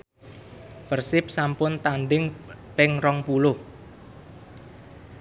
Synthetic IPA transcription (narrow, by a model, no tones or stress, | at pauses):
pərsɪp̚sampʊnt̪anɖɪŋpɪŋrɔŋpulʊh